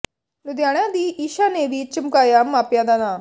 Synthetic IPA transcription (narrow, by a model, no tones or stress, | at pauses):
nud̪jaːɽ̃jãd̪iiːʃaneːʋit͡ʃimkaːjaːmːaːpjad̪anaː